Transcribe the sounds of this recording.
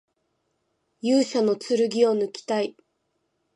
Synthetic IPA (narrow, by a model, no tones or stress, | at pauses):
jɨːɕono̞t͡sɨɾɯ̟ɡʲio̞nɯ̟kʲi̥t̪ai